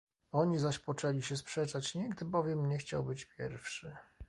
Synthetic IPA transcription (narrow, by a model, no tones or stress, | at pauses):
ɔɲizaɕpɔt͡ʂɛlʲiɕɛspʂɛt͡ʂat͡ɕɲɛɡd̪ɘbɔvʲjɛmɲɛxt͡ɕa̰wbɘt͡ɕpʲjɛ̰ɾfʂɘ